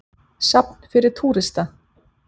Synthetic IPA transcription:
sapn̥fɪɾɪɾ̥t̪ʰuːɾɪst̪a

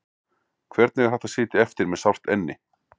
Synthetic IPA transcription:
kʰvɛɾt̪nɛɣḁθɛht̪asɪːt̪ɪɛft̪ɪɾmɛðsawr̥t̪ɛnːɪ̰

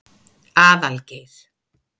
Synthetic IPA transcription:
aːðalkeð

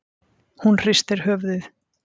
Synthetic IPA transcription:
hunr̥ɪst̪ɪɾ̥hœːvðɪθ

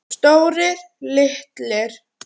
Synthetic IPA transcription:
st̪oːwɾɪɾ̥ | lɪht̪lɪɾ̥

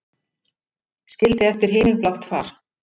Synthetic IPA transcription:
scɪlt̪ɪɛft̪ɪɾ̥ɦɪːmɪlplawht̪fa̰ːɾ̥

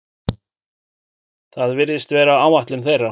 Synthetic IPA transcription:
θaðvɪɾðɪst̪vɛːɾaaːwvaht̪lʏmθejrːa

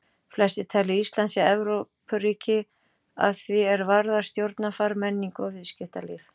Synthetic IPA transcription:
flɛst̪ɪt̪ʰaːlɪist̪lant̪sjaɛvɾopʰʏɾiːcɪ | a̰ðθvɪɛɾvaɾðaɾ̥st̪jowɾt̪nafaɾmɛnːiŋkɔvɪðscɪft̪alɪf

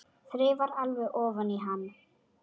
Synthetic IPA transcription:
θɾɪvaɾalvɛɣʔɔːvaniɦanː

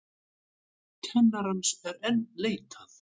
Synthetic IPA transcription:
cʰɛnːaɾansɛɾɛnleːjt̪ʰaθ

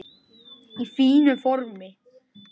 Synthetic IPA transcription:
ifiːnʏfɔɾmɪ

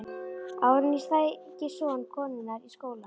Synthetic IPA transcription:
awɾʏnist̪ajcɪsɔnkʰɔːmɪnːaɾiskoːwla

